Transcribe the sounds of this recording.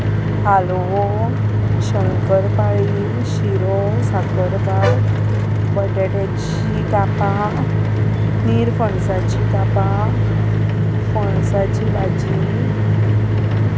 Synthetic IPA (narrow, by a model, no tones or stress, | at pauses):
hal | ʋo | ɕəŋkəɾpaɭi | ɕiɾo | sakəɾk̪aɾ | bəʈeʈat͡ɕ | ikapa | niɾfəɳsat͡ɕikapa | fəɳsat͡ɕibad͡ʑi